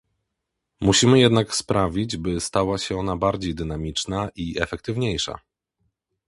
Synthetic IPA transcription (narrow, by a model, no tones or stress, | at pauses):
muɕimɘjɛd̪nakspɾavʲid͡ʑbɘst̪awaɕɛɔnabaɾd͡ʑejd̪ɘnamʲit͡ʂnaʔiɛfɛk̚t̪ɘvɲejʂa̰